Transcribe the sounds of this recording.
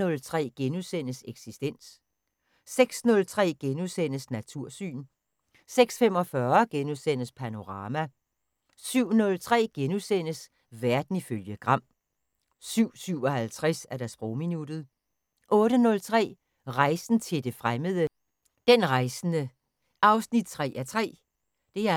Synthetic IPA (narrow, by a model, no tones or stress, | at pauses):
ɔ̽lt͡sʰʁɛ̰ːɡ̥enusen̰əseɡ̥sisd̥en̰s | seɡ̥snɔ̽lt͡sʰʁɛ̰ːɡ̥enusen̰əsnæt͡sʰuɐ̰sy̰ːn | seɡ̥sfem̰ɒ̽fɶɐɡ̥enusen̰əspʰæno̝ʁɑ̈ːmæ | syʊ̰nɔ̽lt͡sʰʁɛ̰ːɡ̥enusen̰əs | ʋæɐd̥n̩iføljəɡ̥ʁɑ̈m̰ | syʊ̰syʊ̰ɒ̽hælt͡sʰʁasæɐɾ̥æsb̥ʁɔʊminud̥ð̞̩ˠ | ʔɔ̽ːɾənɔ̽lt͡sʰʁɛ̰ː | ʁɑ̈ɪsn̩t͡sʰe̝ld̥e̝fʁaməð̞ˠə | d̥enʁɑ̈ɪsn̩ə | ɑ̈ʊsnid̥̚t͡sʰʁɛ̰ːæɐt͡sʰʁɛ̰ː | d̥e̝æɐ